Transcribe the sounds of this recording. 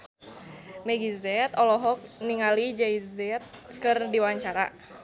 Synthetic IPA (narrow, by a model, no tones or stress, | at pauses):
mɛɡizɛt̪ɔlɔɦɔk̚niŋalid͡ʒaizɛt̪̚kɨrdiwaɲt͡ʃaɾa̰